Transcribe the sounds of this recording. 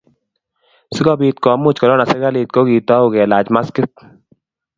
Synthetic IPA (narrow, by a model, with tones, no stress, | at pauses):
sɪ˦ɡɔ˦biː˧t̪̚kɔ˨˦mu˦t͡ʃkɔ˨lɔ˦na˨sɛ˦ɡa˦liː˧t̪̚ko˦ɡiː˨t̪ɔ˦uɡɛ˨laː˨d͡ʒma˦skɪ˦t̪̚